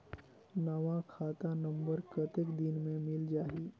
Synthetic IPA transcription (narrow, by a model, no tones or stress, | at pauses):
naːʋãkʰaːt̪anə̃mbəɾkət̪ɪkd̪ɪnmẽmɪld͡ʒaːɦiː